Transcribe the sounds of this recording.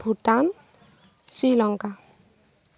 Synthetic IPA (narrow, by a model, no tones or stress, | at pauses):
bʱuʈan | silɔŋka